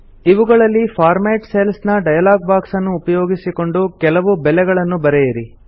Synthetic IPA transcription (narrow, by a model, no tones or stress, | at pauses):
iʋuɡɐɭɐlːifʰaːɾmeːʈselsnɐɖɐjɐlaːɡ̚baːksɐnːuːpɐjoːɡisiko̞ɳɖukɛlɐʋubɛlɛɡɐɭɐnːubɐɾɛjɐɾi